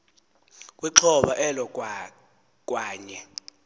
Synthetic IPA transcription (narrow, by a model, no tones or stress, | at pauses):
k̬ʼwiǁʰɔɓaʔɛlɔ | k̬ʼwaːɲɛ